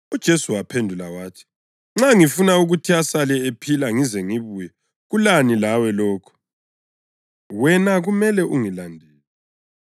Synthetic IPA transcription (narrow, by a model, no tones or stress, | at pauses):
ud̥ʒ̥ʱesuwapʰendʱulawaːtʰi̥ | ŋ͡ǁaŋifunauɣutʰiasalɛepʰilaŋizɛŋiβujɛ | ɣulanilawɛlɔːkʰɔ̥ | wɛnaɣumɛlɛʔuŋilandʱɛːlɛ